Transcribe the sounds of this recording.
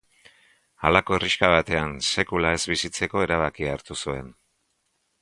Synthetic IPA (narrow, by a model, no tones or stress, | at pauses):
alako̞eriʃkaβ̞at̪e̞anse̞kulae̞zβisit͡se̞ko̞e̞ɾaβ̞akiaːɾt̪usue̞n